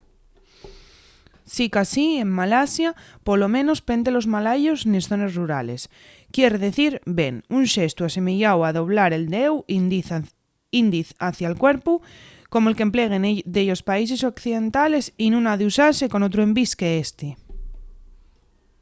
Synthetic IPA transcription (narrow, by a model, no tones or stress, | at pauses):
sikasiemmalasjapo̞lo̞mẽno̞spend̪elo̞zmalaʝo̞znesθo̞ne̞sruɾale̞s | kjeɾeðe̞θiɾbe̞nunʃest̪uase̞meʝawaðo̞β̞laɾe̞ld̪ew | ind̪iθaθjalkwe̞ɾpu | ko̞moelkemple̞ɣ̞end̪eʝospais̬e̞sokθiðe̞nt̪ale̞sinũnaðeusase̞ko̞not̪ɾoe̞mbiskeest̪e